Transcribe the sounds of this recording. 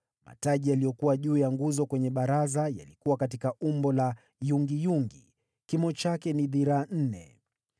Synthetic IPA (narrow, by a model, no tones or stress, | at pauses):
ma̰taʄijalijɔkuwaʄuːjaŋɡuzɔkwɛɲɛɓaɾazaja̰likuwakatikaumbɔla | juŋɡijuŋɡḭ | kimɔt͡ʃakɛniðiɾaːn̩nɛ̰